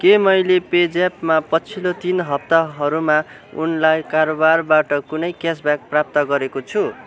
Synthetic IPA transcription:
kemʌjleped͡zapmapʌt͡sʰilot̪inɦʌp̚t̪aɦʌɾuma | ṵnlajkaɾobarbaʈʌkunʌjkasbjak̚prap̚t̪ʌɡʌɾekot͡sʰu

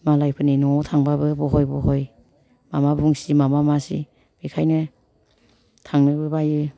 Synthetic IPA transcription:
malajpʰɯninɔtʰaŋbabɯbɔɦɔjbɔɦɔj | mamabuŋsimamamasḭ | b̥ikʰajnɯ | tʰaŋnɯbɯbajɯ

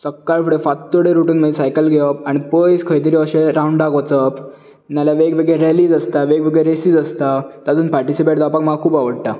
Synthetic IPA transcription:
səkːaɭfʰəɽefat̪ːoɽeɾuʈuːnməesajkəlɡʱeʋəp̚aɽ̃ipəjskʰəjt̪̬əɾiəɕeɾãuɳɖɖakʋət͡səp | naljaʋeɡʋeɡɭeɾeliːd͡zəst̪aʋeɡʋeɡɭeɾesiːd͡zəst̪at̪ad͡zuːnpaɾʈisipeʈ̚d̪apak̚məlakʰuːbaʋəɽʈ̪a

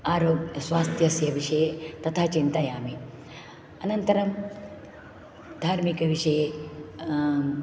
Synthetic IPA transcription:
aːɾoːɡɐsʋaːst̪jɐsjɐʋiʂɐjet̪ɐt̪ʰaːt͡ʃint̪ajaːmi | ɐnɐnt̪ɐɾɐm | d̪ʱaːɾmikɐʋiʂɐje

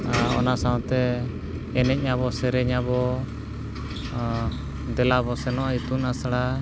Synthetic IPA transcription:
ɔ̰nasaw̃t̪ɛː | nɛc̚ˀɲaβɔsɛɾɛɲabɔ | d̪ɛlabɔsɛnɔait̪unasaɽa

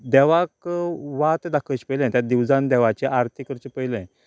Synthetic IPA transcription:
d̪ɛʋakʋat̪d̪akʰət͡ɕpəjlə̃t̪ʲjad̪iʋd͡zand̪ɛʋat͡ɕeʔaɾt̪ʰikəɾt͡ɕepəiləɛ̃

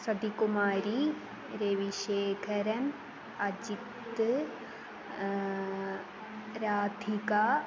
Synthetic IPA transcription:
sɐd̪ikumaːɾi | ɾeʋiʃeːkʰɐɾɐm | ɐd͡ʒik | t̪ɨ | ɾaːd̪ʱika

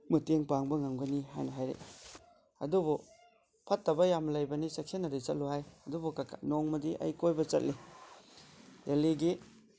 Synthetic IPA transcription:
mɯteŋpaŋbɐŋamɡɐniɦa̰jnɐɦajɾḛ | ɐ̰dubu | pʰɐtːɐbɐjamlɐjbɐnisɐksenːɐɾit͡ʃɐ̰t̚luhajɐdubukakʰa̰noŋmɐdiʔɐ̰jkojbɐt͡ʃɐ̰t̚li | deliɡi

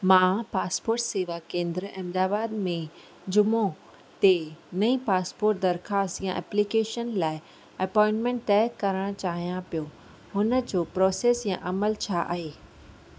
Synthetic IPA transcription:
mãpaːspoːɾʈseːʋakẽːnd̪ɾəɛ̃md̪aːbaːd̪mẽ | d͡ʑʊmõ | t̪enɐĩpaːspoːɾʈ̚d̪ɐɾxaːst̪jãʔɛ̰plikeːʃənlaːɪ | ɐpɔ̃ːɪ̃ɳʈmẽɳʈ̚t̪ɛːkɐɾəɽ̃t͡ɕaːɦijãpijo | ɦʊnəd͡ʑoːpɾɔːseːsjã̰ʔɐməlt͡ɕʰaːʔa̰ːɦeː

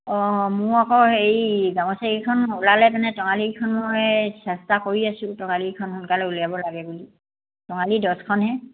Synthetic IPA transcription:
ɔmʊakɔejɡaŋɔsaɡikʰɔnulalɛpanɛtɔŋalikʰɔnmojsɛstakoɹiasʊ̃tɔŋalikʰɔnxunkalɛulijabɔlaɡɛbuli | tɔŋalidɔskʰɔnɦɛ

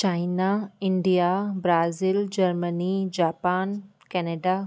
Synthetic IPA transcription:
t͡ɕaːɪnaɪ̃ɳɖijabɾaːzild͡ʑɐɾmənid͡ʑaːpaːn | kɛːneːɖa

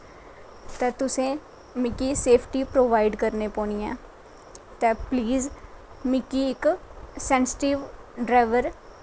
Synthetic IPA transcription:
t̪ɛ̃ːt̪ʊsẽː | mɪkiːseːpʰʈiːpɾoːʋaːɪɖkəɾneːpoːnijɛ̰̃ː | t̪ɛ̃ːpliːz | mɪkiːɪksɛːnsɪ̥ʈiːʋɖɾaːɪʋəɾ

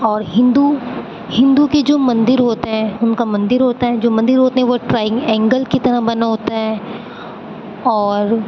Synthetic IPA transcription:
ɔːɾɦɪ̃nd̪u | hɪ̃nd̪uked͡ʒoːmɐ̃nd̪ɪɾɦoːt̪eɦɛ̃ːʊnkamɐ̃nd̪ɪɾɦoːt̪aɦɛd͡ʒoːmɐ̃nd̪ɪɾɦoːt̪eɦɛ̃ʋoʈɾaːɪ̃ŋɡɛ̃ːŋɡəlkit̪ɐɾəɦbɐnaɦoːt̪aɦɛː | ɔːɾ

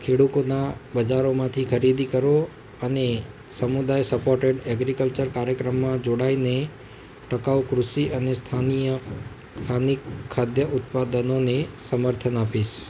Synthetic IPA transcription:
kʰeɽut̪onabəd͡ʒaɾomãt̪ʰikʰəɾid̪ikəɾo | əne | səmud̪ajsəpoɾʈeɖɛɡɾikəlt͡ʃəɾkaɾjəkɾəmːãd͡ʒoɽaine | ʈəkaʋukɾuʃiʔənest̪ʰanijə | t̪ʰanikʰːad̪jəʔʊt̪̚pad̪ənonesəməɾt̪ʰənapiʃ

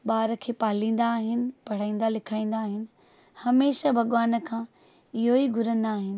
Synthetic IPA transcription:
ɓaːɾə̆kʰeːpaːlĩːn̆d̪aːɦɪnɪ̆pɐɽ̤aːĩːn̆d̪alɪkʰaːĩːn̆d̪aːɦɪnɪ̆ | hɐmeːʃabʱɐɠʋaːnəkʰãː | ɪɦoiɡʱʊɾə̃nd̪aːɦɪnɪ̆

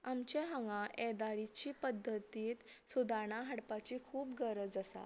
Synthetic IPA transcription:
amt͡ɕeɦə̃ŋɡãʔɛd̪aɾit͡ɕiːpəd̪ʱːət̪iːt̪sud̪ʱaɳaɦaɽpat͡ɕiːkʰuːpɡəɾəd͡zəsa̰

